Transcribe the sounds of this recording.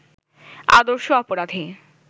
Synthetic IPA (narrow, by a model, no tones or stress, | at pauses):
a̰d̪oɾʃoɔpoɾad̪ʱi